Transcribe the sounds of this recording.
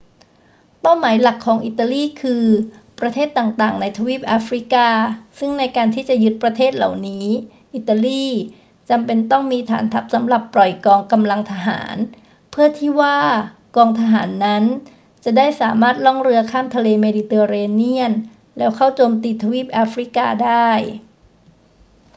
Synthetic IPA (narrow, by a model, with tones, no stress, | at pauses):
pa˥˩wmaː˩˦jla˨˩kʰːɔː˩˦ŋʔi˨˩t̪ːa˧liː˥˩kʰɯː˧pɾa˧t̪ʰeː˥˩t̪ːaː˨˩ŋt̪aː˨˩ŋna˧jt̪ʰa˧wiː˦˥˩p̚ʔaː˦˥fɾi˦˥kaː˧sɯ˥˩ŋna˧jkaː˧nt̪ʰiː˥˩t͡ɕa˨˩jɯ˦˥t̪̚pɾa˧t̪ʰeː˥˩t̪̚la̰˨˩wniː˦˥ | ʔi˨˩t̪ːa˧liː˥˩ | t͡ɕa˧mpe˧nt̪ɔ˥˩ŋmiː˧t̪ʰa̰ː˩˦nt̪ʰa˦˥p̚sa˩˦mɾa˨˩pːɾɔ˨˩jkɔː˧ŋka˧mla˧ŋt̪ʰa˧ɦa̰ː˩˦n | pʰɯ˥˩ɐt̪ʰiː˥˩waː˥˩ | kɔː˧ŋt̪ʰa˧ɦaː˩˦nːa˦˥n | t͡ɕa˨˩daː˥˩jsaː˩˦maː˥˩t̪̚lɔ˥˩ŋɾɯ˧ɐkʰaː˥˩mt̪ʰa˧leː˧meː˧di˧t̪ɤː˧ɾeː˧ni˥˩ən | lɛː˦˥wkʰa˥˩wt͡ɕoː˧mt̪iː˧t̪ʰa˧wiː˥˩p̚ʔaː˦˥fɾi˦˥kaː˧daː˥˩j